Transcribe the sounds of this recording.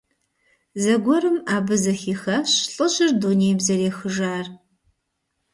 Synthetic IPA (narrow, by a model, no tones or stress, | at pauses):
zɐɡʷɔɾɨmaːbɨzɐxiːxɐɕɬʼɨɕʼɪrduːneːjbzɐɾeːxɨʒaːr